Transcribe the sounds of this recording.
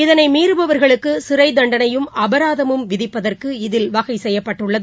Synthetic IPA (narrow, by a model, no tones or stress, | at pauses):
ɪðɐnɐɪmiːɾɯbɐʋɐɾɣɐɭɯkːɯsɪɾɐɪd̪ɐɳɖɐnɐjɯmɐbɐɾaːðɐmɯmʋɪðɪpːɐðɐrkɯɪðɪlʋɐɣɐɪsɛjːɐpːɐʈːɯɭːɐðɯ